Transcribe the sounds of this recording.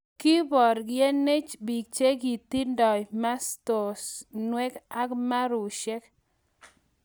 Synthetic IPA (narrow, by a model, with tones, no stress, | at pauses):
ki˦bɔ˨ɾɡjɛ˦ne˦t͡ʃbi˨k̚t͡ʃe˦ɡi˨t̪i˦ndɔ˨jma˦st̪o˨snwɛ˦ka˦kma˦ɾʊ˨ʃɛ˦k